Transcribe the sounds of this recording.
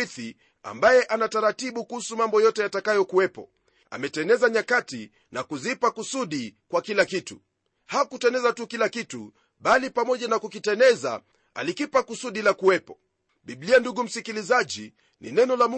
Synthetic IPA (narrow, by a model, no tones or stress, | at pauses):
iθi | a̰mbajɛʔanataɾatiɓukuhusumambɔjɔtɛjatakajɔkuwɛpɔ̰ | a̰mɛtɛnɛzaɲakati | nakuzipakusuɗikwakilakitṵ | hakutɛnɛzatukilakitu | ɓalipamɔʄanakukitɛnɛza̰ | a̰likipakusuɗilakuwɛpɔ | ɓiblianduɡum̩sikilizaʄi | nḭnɛnɔlamu